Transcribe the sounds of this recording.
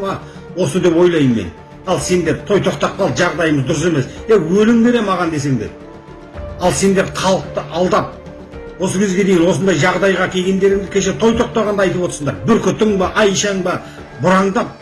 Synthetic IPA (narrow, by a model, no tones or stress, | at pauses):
ɑ | wo̞səd̪e̞pwo̞jlˠɑjəmmḛn | ɑlˠse̞nd̪e̞ɾt̪ʰo̞jt̪ʰo̞qt̪ɑq̚qɑlˠt̪ʒɑʁd̪ɑjəməzd̪ʊɾəse̞me̞sewɵlɪŋb̪e̞ɾe̞mɑʁɑnd̪e̞s̬e̞ŋd̪eɾ | ɑlˠse̞nd̪e̞ɾχʰɑlˠəq̚t̪əʔɑlˠd̪ɑp̚ | wo̞səkʲʰe̞zɡʲe̞d̪e̞jɪnwo̞sənd̪ɑjʒɑʁd̪ɑjʁɑkʲʰe̞ɡʲe̞nd̪e̞ɾɪŋd̪ɪkʲʰe̞ʃ̬e̞t̪ʰo̞jt̪ʰo̞q̚t̪ɑʁɑnd̪ɑjt̪əpwoəɾsəɴd̪ɑɾbʏɾkʲʏt̪ɪŋbɑʔɑjʃɑŋbɑ | bʊɾɑɴd̪ɑp̚